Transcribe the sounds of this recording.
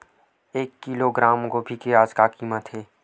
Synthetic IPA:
eːkːiːloɡɾaːmkobʱikeɾaːd͡ʒkakiːmət̪ɦeː

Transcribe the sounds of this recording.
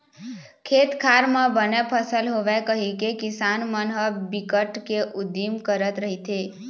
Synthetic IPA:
kʰet̪kʰaɾmãbənepʰəsəlɦoʋekəɦikekɪsanmənɦəbikəʈkeʔud̪imkəɾət̪ɾəɦit̪ʰe

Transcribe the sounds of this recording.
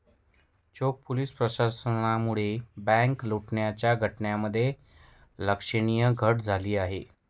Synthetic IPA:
t͡ɕok̚puliːspɾəɕasənamuɭebæ̃ŋkloʈɳjat͡ɕjaɡʱəʈɳjaməd̪ʱːje | ləkʂəɽ̃ijəɡʱəʈd͡zʱaliːaɦe

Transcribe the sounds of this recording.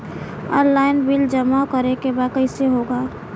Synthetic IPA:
ɔ̰ːnlaːɪnbild͡ʒəmaokəɾekebaːd̪̚kəɪseɦoːɡaː

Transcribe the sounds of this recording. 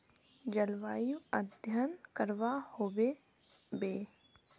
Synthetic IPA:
d͡ʒəlʋaːjuəd̪ʱjənkəɾʋahoːbe | beː

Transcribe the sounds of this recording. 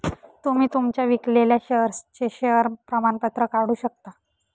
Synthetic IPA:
t̪um̤iːt̪umt͡ɕjaʋikleljaɕəəɾst͡ɕeɕəəɾpɾəmanpət̪ɾəkaɽ̤uːɕək̚t̪a

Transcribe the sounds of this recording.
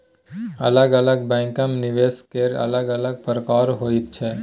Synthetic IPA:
ɐ̰ləɡɐləɡ̚bɛ̃ːŋkəmnɪʋeːskeɾɐ̰ləɡɐləɡ̚pəɾkaːɾɦoːit̪̚t͡ʃʰɛː

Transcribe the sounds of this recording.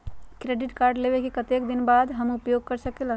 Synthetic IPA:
kɾeːɖɪʈkaːɾɖleːʋekikɐt̪eːkd̪ɪnbaːd̪ɦɐmʊpjoːɡ̚kɐɾsɐkela

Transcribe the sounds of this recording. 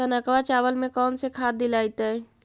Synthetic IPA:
ənakəʋat͡ʃaʋəlmẽkɔːnsekʰaːd̪ilajt̪ə

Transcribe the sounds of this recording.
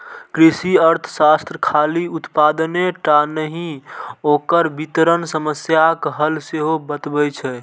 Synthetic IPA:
kɾisiəɾt̪ʰəsast̪ɾəkʰaliut̪pad̪əneʈanəɦĩokəɾbit̪ɾənsəməsjakɦəlseɦobət̪bɛt͡ʃʰɛ

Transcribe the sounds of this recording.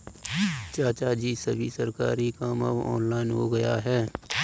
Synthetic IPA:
t͡ʃaːt͡ʃaːd͡ʒisəbʱisəɾkaːɾikaːməbɔ̰ːnlaːɪnɦoɡɐjaɦɛː

